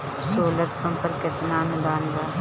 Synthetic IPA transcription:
soːlət̪pɐ̃mpəɾkɪt̪naːnʊd̪aːnɡ̪aː

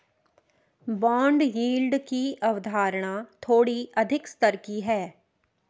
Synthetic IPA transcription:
bãːɳɖjiːlɖkiʔəʋd̪ʱaːɾɳ̃aːt̪ʰoːɽiəd̪ʱɪkst̪əɾkiɦɛː

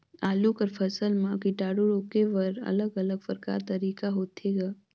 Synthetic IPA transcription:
aːlukəɾpʰəsəlmãkiʈaːɽuɾoːkeʋɐɾɐ̰ləɡələɡfəɾka̰ːɾt̪ɐɾiːkaɦoːt̪ʰeɡaː

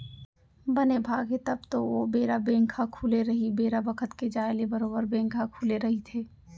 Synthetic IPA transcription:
bənebʱaːɡɦet̪əbt̪oʋobeːɾabẽːŋkʰakʰuːleɾɐɦibeːɾabəkʰət̪ked͡ʒaːelebəɾoːbəɾbẽːŋkʰakʰuleɾɐɦit̪ʰeː

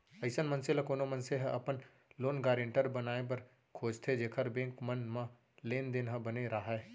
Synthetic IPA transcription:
ɐɪsənmɐ̃nselakoːnomə̃nseɦʔɐpən | loːnɡaːɾẽɳʈəɾbɐnaːep̬ɐɾ | kʰoːd͡ʒt̪ʰed͡ʒeːkʰəɾbẽːŋkmənmã | leːnd̪ɪnɦɐ̃bəneɾaːɦɛː

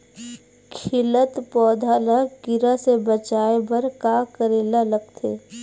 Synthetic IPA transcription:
kʰɪlət̪pɔːd̪ʱalaɡɪɾasebət͡ʃaːebəɾkaːkəɾeːlaləɡ̚t̪ʰeː

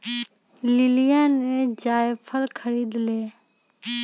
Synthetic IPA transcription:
lɪlijaːnẽːd͡ʒaːjepʰəɾkʰəɾiːd̪leː

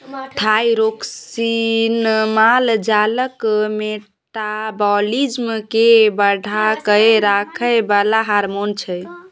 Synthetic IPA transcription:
ʈʰajɾoksinmald͡ʒaləkme | ʈabɔlid͡ʒmkebəɽʱakəjɾakʰəbalaɦaɾmont͡ʃʰɛ

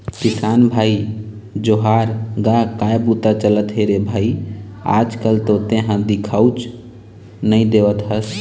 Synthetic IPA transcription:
kisanbʱai | d͡ʒoɦaɾɡakaebut̪at͡ʃələt̪ɦeɾebʱaia̰d͡ʒkəlt̪ot̪ẽɦãd̪ikʰəwt͡ʃ | nəĩd̪eʋət̪ɦəs

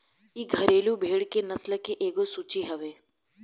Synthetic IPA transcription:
iːɡʱəɾeːlubʱeːɽkenɐsləkeʔeːɡosuːt͡ʃiɦɐʋeː

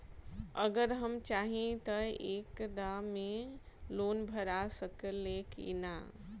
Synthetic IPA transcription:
əɡəɾɦəmt͡ʃaɦĩt̪əekd̪amːe | loːnbʱəɾasəkəlekḭna̰

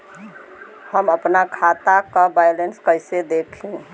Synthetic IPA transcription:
həməpnakʰat̪akəbajlenskəɪsed̪ekʰĩ

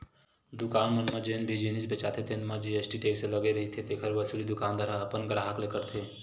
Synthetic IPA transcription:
d̪ukaːnmənmad͡ʒenbʱed͡ʒenisbet͡ʃat̪ʰet̪ʰenmad͡ʒiəsʈiʈeksẽləɡeɾəɦit̪ʰit̪ekʰəɾbəsulid̪ukand̪aɾaəpənɡɾaɦaklekəɾt̪ʰe

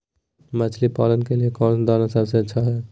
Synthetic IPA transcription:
mət͡ʃʰlipaːlənkeliekɔːnd̪anasəbseətːʃʰaɦɛː

